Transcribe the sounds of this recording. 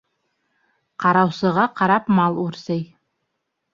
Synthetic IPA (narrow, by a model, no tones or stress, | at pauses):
qʰɑɾɑwsɤ̆ʁɑqʰɑɾɑpmɑlˠuɾsɤj